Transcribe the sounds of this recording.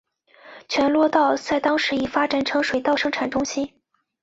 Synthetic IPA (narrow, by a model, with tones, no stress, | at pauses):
t͡ɕʰɥɛ˧˥nlwɔ˥˧t̪ɑ˥˧ʊt͡sa˥˩ɪt̪ɑ˥ŋʂɻ̩˧˥i˨˩fa˥ʈ͡ʂa˨˩nʈ͡ʂʰɤ˧˥ŋʂwe˨˩ɪt̪ɑ˥˩ʊʂɤ˥ŋʈ͡ʂʰa˨˩nʈ͡ʂʊ˥ŋɕi˥n